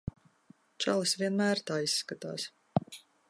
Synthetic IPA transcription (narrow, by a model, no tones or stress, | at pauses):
t͡ʃa̰lˠɨsvʲiɛnmæːɾt̪aːisːkat̪a̰ːs